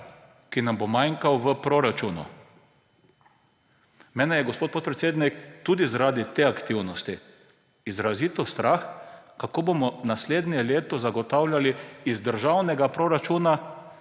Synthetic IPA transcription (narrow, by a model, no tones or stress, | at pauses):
kinambomajŋkawʋəpɾoɾat͡ʃuːnṵ | mɛːnɛjɛɡospoːt̪̚poːt̪pɾɛt̪seːd̪nikt̪uːd̪izaɾaːd̪it̪eːakt̪iwnɔst̪i | izɾazit̪ɔst̪ɾaxkakoːbomɔnasleːd̪nɛleːt̪ɔzaɡɔt̪awlʲjaliizd̪əɾʒawnɛɡapɾoːɾat͡ʃuːna